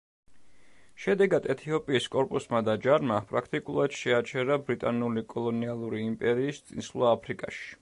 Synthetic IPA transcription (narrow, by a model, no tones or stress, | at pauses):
ʃɛd̪ɛɡad̪ɛt̪ʰiɔpʼiːskʼɔɾpʼusmad̪ad͡ʒaɾmapʼɾakʰt̪ʼikʼulˠad̪̥ʃɛat͡ʃʰɛɾabɾit̪ʼanulikʼɔlˠɔnialˠuɾiːmpʼɛɾiːst̪sʼinslˠaːpʰɾikʼaʃi̥